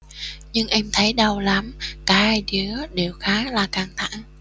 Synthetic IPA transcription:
ɲɨ˧ŋʔɛ˧mt̪ʰə˨˦jɗə˧˩wla˨˦mkaː˨˦haː˧jɗi˨˦əɗe˨˩wxaː˨˦laː˨˩kaː˨˧˩ŋt̪ʰa̰˧˩˨ŋ

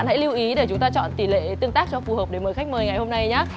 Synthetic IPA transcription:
nha̰˧˥jli˧wʔi˨˦ɗe˧˩t͡ɕʊ˨˦ŋ͡mt̪aː˧t͡ɕɔ̰˧˨nt̪i˧˩lḛ˧˨t̪ɨ˧əŋt̪aː˦˥k̚t͡ɕɔ˧fu˨˩həː˨˩p̚ɗe˧˩məː˨˩xa˦˥k̟̚məː˨˧˩jŋa˨˩jho˧mna˧jɲaː˨˦˥

